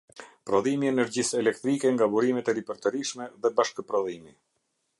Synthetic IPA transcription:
pɾɔðimiɛnɛɾd͡ʑisɛlɛkt̪ɾikɛŋɡabuɾimɛt̪ɛɾipəɾt̪əɾiʃmɛðɛbaʃkəpɾɔðimi

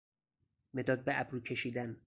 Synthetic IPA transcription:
me̞d̪ɒːd̪̚beʔæbɾuːcʰe̞ʃiːd̪æn

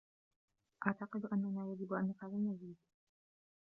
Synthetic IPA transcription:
ʔaʕt̪aqɨd̪ʔanːanaːjad͡ʒɪbʔanːaqalɪnaziːd̪

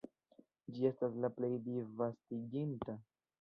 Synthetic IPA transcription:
d͡ʒie̞staslaple̞jdivastiɡinta

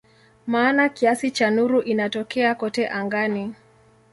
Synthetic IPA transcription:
maːnakiasit͡ʃanuɾuʔinatɔkɛakɔtɛʔaŋɡani

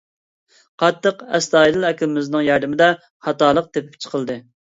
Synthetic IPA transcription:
qʰɑt̪ʰːəqɛ̰st̪ɑːilɨlˠɛkʲʰlɪmɪznɨŋjɑɾd̪ɪmɪd̪ɛ | χɑt̪ɑːlˠəq̚t̪epɪ̥p̚t͡ʃʰə̥qʰəlˠd̪ɨ

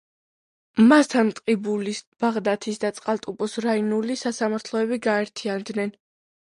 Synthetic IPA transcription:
mast̪ʰant̪ʼqʼibulisb̥aʁd̪at̪ʰisd̪at̪sʼqʼalˠt̪ʼupʼɔsɾainulisasamaɾt̪ʰlˠɔɛbiɡaɛɾt̪ʰiand̪nɛn

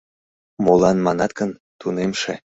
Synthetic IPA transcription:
molɑnmɑnɑt̪̚kənt̪unemʃḛ

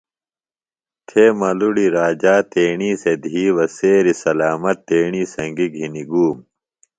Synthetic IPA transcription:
t̪ʰeːmɐluɽiɾaːd͡ʑaːt̪eːɳiːsed̪ʱiːʋɐseːɾisɐlaːmɐt̪ːeːɳiːsɐŋɡiɡʱiniɡuːm

